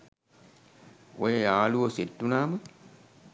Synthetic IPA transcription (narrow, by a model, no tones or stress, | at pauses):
ojejaːluosetːunaːmɨ